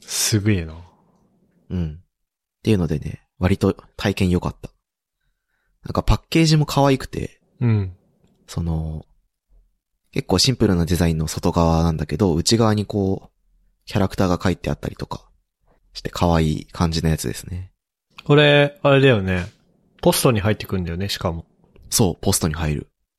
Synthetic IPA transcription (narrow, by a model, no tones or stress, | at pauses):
sɨɡɯena | ɯ̟̃ɴ | t̪e̞iɯ̟no̞d̪e̞ne̞̰ | βaɾʲit̪o̞t̪ʰaikẽ̞ɰ̃jo̞kat̪ːḁ | nã̰ŋkapakːe̞ːʑimo̞kʰaβaikɯ̟̥t̪e̞̰ | ɯ̟̃ɴ | so̞no̞ | ke̞kːo̞ːɕĩmpɯ̟ɾɯ̟nad̪e̞zaĩnːo̞so̞t̪o̞ɡaβanãnd̪ake̞d̪o̞ɯ̟t͡ɕiɡaβ̞aɲ̟iko̞ː | kʲaɾakɯ̟̥t̪aːɡakait̪ːe̞a̰t̪ːa̰ɾʲit̪o̞kḁ | ɕi̥t̪e̞̥kʰaβaḭːkʰãɲ̟d͡ʑinajat͡sɨd̪e̞sɨne̞ | ko̞ɾe̞aɾe̞d̪ajo̞ne̞ | po̞sɨ̥t̪o̞ɲ̟iɦait̪ːekɯ̟̃nd̪ajo̞neɕi̥kamo̞ | so̞ːpo̞sɨ̥t̪o̞ɲ̟ihaiɾɯ̟̰